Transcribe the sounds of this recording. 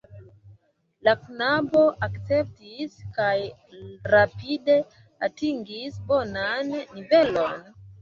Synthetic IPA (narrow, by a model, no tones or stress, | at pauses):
laknabo̞ʔakt͡se̞p̚tiskaj | ɾapide | atiŋɡisbo̞nanːive̞lo̞n